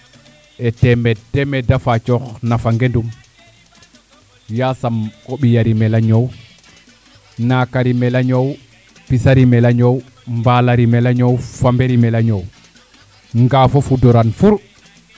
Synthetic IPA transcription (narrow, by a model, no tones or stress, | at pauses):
ʔɛtɛmɛdɛmɛdafat͡ʃɔxnafaŋɡendum | jasamkoɓijaɾimɛlaɲow | nakaɾimɛlaɲow | pisaɾimɛlaɲow | mbalaɾimɛlaɲowfambeɾimɛlaɲow | ŋɡafofudɔɾanfuɾ